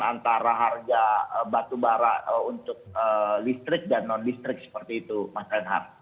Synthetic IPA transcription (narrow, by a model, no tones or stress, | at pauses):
ant̪aɾaɦarɡaəbat̪ubaɾaəunt̪ʊk̚ədist̪ɾɪk̚danːɔndist̪ɾɪk̚sə̥pərt̪iːt̪umasɛnɦa̰r